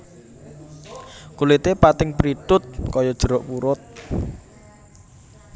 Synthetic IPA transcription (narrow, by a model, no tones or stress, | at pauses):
kulɪt̪epat̪ɪŋpɾit̪ʊt̪̚kɔjɔd̥ʒ̥əɾɔʔpuɾʊt̪̚